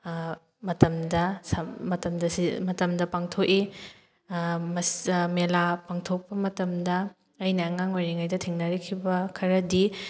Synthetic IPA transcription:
mɐtɐmdɐsɐmɐtɐmdɐsimɐtɐmdɐpaŋtʰoki | mɐsmelapaŋtʰok̚pɐmɐtɐmdɐː | jnɐːŋaŋojɾiŋajdɐtʰiŋnɐɾikʰibɐkʰɐɾɐdi

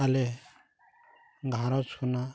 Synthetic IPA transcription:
ale | ɡʱaɾɔt͡sʰuna

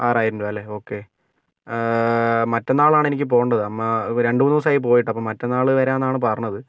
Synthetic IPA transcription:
aːraːjiɾuɳɖuɐlːe̞o̞ːkːe̞ | mɐtːonːaːɭaːɳe̞nikʲːɨp̬o̞ːɣɳɖɐðɨɐmːaɾe̞ɳɖɨunːuːsaːjip̬o̞ːjiʈ̬ːɐpːoːmɐtːonːaːɭɨʋɐɾeɐnːaːɳɨpɐrɐɲnːɐðɨ

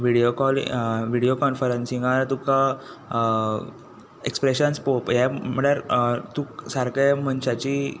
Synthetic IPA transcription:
ʋiɽiokɔlʋiɽiokɔnfəɾənsĩŋɡaɾt̪uka | ḛkspɾeɕənspopjɛməɽaɾt̪uksaɾkẽm̤əɳɕat͡ɕi

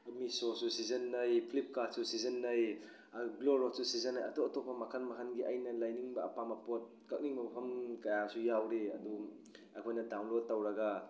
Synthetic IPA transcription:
misosusizɐnːɐjpʰlip̚kat̚susizɐnːɐj | ɡloɾotsusizɐnːajɐ̰toɐtopʰːɐmɐkʰɐnmɐkʰɐnɡiʔɐjnɐlajniŋbɐːpamɐpot̚ | kɐk̚niŋmɐpʰɐmkɐjasujawɾeɐ̰du | ɐkʰojnɐdawnlod̚tːɐwɾɐɡa

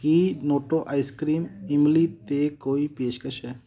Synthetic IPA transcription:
kiːnoːʈoʔajskɾiːnimlit̪ekoːipeːʃkəʃe

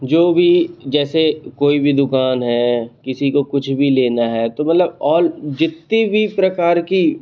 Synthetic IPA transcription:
d͡ʒoːbʱid͡ʒɛːsekoːibʱid̪ʊkaːnɦɛːkɪsikokʊt͡ʃʰbʱileːnaɦɛːt̪omɐt̪ləbɔːɾd͡ʒɪt̪ːibʱipɾɐkaːɾki

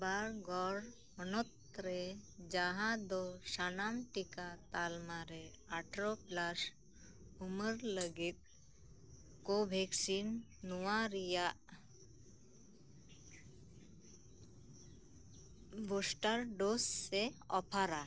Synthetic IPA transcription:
baɾɡɔɾ | ɔnɔt̪ɾed͡ʒaɦãd̪ɔsanamʈikat̪almaɾe | aʈʰɾoplas | uməɾləɡit̪̚ | kobʱɛksinː | uwaɾijaʔ | bosʈaɾɖosːeɔpʰaɾa

